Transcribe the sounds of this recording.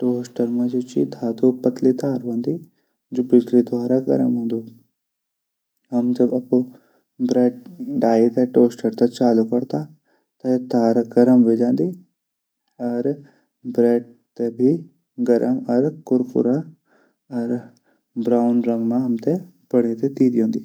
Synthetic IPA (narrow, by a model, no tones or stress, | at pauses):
ʈoːsʈəɾmãd͡ʒoːt͡ʃḭd̪ʱaːd̪opɐt̪lit̪aːɾʋãːnd̪i | d͡ʒoːbɪd͡ʒlid̪ʋaːɾaɡɐ̰ɾə̰mɦõːnd̪u | ɦɐmd͡ʒɐbɐpo | bɾeːʈ̚ɖaːit̪eʈoːsʈəɾt̪ɐt͡ʃaːlukɐɽt̪a | t̪ɐt̪aːɾaɡɐɾəmɦed͡ʒãːnd̪i | ɐɾ | bɾeːɖ̚ | t̪ebʱi | ɡɐɾʔəmɐɾkʊɾkʊ̰ɾa | ɐɾ | bɾaːʊnɾə̃ŋɡmãɦɐmt̪e | bɐɽ̃et̪ed̪iːd̪iõːnd̪iː